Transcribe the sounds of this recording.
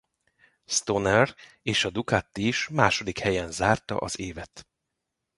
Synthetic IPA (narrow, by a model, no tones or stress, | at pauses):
st̪onɛr | eːʃɒd̪ukat̪ːiʃmaːʃo̞d̪ikhɛjɛnzaːrt̪ɒ̰ʔɒ̰zeːvɛt̪